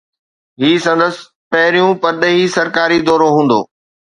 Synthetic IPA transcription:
ɦiːsɐ̃nd̪əsɪ̥ | pɐɦɪɾijũpɐɾɗəɦisɐɾkaːɾid̪ɔːɾoɦũːn̆d̪o̰ː

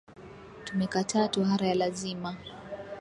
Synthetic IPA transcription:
tumɛkatʰaːtuɦaɾajalazima

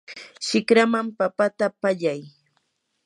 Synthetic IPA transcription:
ʃɪkɾamampapat̪apaʎaj

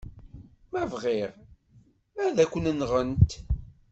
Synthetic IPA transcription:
mævʁɪʁ | mæðækʷːənənʁənt̪

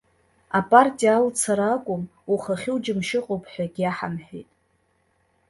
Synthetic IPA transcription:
apʼartʼijaːlt͡sʰaɾaːkʷʼʊmuχaχʲɪwd͡ʒɪmʃɪqʼowpʰʼħʷᶣaɡʲaħamħᶣḛjtʼ

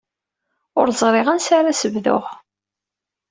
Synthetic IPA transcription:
ʊɾzˤɾˤɪʁənsaɾasəvðʊ̰ʁ

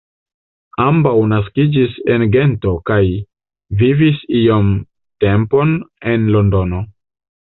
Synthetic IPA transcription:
ambawnas̬kid͡ʒisenɡe̞nto̞kaj | vivisiom | te̞mpo̞nenlo̞ndo̞no̞

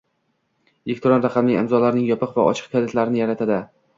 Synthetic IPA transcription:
ekʲt̪ʰɾɒnɾaqʰɑmlɪɪ̰mzɒlaɾnɪŋjɒpʰɨqva̰ʔɒ̰t͡ʃʰɨ̥q̚kʰalet̪ʰlaɾɪnɪjaɾat̪ʰad̪ɪ

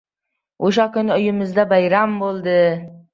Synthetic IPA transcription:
oʃakʲʊnɪʊjɪmɪzd̪abajɾambolˠd̪ɪ

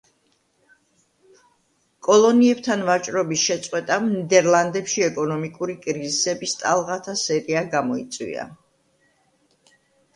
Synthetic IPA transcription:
kʼɔlˠɔniɛb̚t̪ʰanvat͡ʃʼɾɔbisʃɛt̪sʼqʼwɛt̪ʼanid̪ɛɾlˠand̪ɛpʃiɛkʼɔnɔmikʼuɾikʼɾizisɛbist̪ʼalˠʁat̪ʰasɛɾiaɡamɔit̪sʼwḭa̰

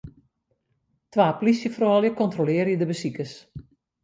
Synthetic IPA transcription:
tʋaːpolisjəfrɔːljəkɔntrolɪərjədəbəsikəs

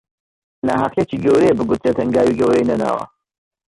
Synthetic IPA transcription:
naːɦaqjet͡ʃiːɡɐwɾebɨɡut̪ʰɾet̪ʰɐŋɡaːwiɡɐwejenɐna̰ːwɐ̰

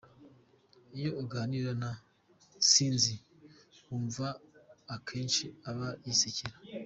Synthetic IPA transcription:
ijo̞iɡaːniɾana | siːnzi | uːɱvaːkʰe̞ːnʃiaβajisiciɾa

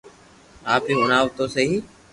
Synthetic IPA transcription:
aːpiːʊnaːʋt̪oːseɦiː

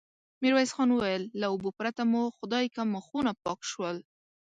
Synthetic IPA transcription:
miɾwajsxɑnwəwajəlːaʊbupɾat̪amuxʊd̪ɑjkaməxunapɑkʃwəl

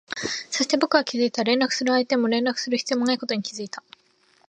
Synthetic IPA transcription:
so̞ɕi̥t̪e̞bo̞kɯ̟ɡakʲizɨit̪aɾẽ̞nɾakɯ̟̥sɨɾɯ̟ait̪e̞mo̞ɾẽ̞nɾakɯ̟̥sɨɾɯçi̥t͡sɨiomonaiko̞t̪oɲ̟ikʲizɨit̪a

